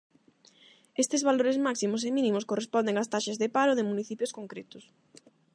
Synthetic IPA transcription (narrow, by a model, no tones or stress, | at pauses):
est̪ɪzβaloɾezmaksimʊs̬emĩnĩmʊskorespɔnd̪eŋast̪aʃezðɪpaɾoðɪmuniθipjʊskoŋkɾet̪ʊs